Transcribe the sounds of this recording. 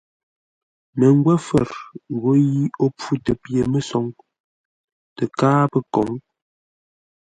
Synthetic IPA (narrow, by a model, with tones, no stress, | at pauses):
nə˨ŋ˦ɡwɛ˦fə˨ɾɣo˨˦ji˦o˦p͡fu˦tə˨pje˨mə˨sɔ˨˦ŋ | tə˨kaː˦pə˨kɔ˨˦ŋ